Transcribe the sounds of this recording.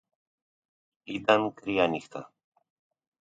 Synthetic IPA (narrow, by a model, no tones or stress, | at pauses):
it̪ankɾijanixt̪a̰